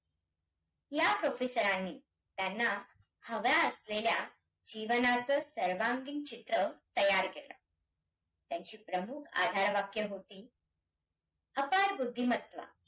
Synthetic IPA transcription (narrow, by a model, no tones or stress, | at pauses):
japɾofesəɾanːiː | t̪janːa | həʋjaəslelja | d͡ʑiʋənat͡səːsəɾʋaŋɡint͡ɕit̪ɾət̪əjaɾkelə̰ | t̪jaɲt͡ɕiːpɾəmukʰa̰d̪ʱaɾʋakjəɦot̪iː | əpaɾbud̪ʱːimət̪ʋa̰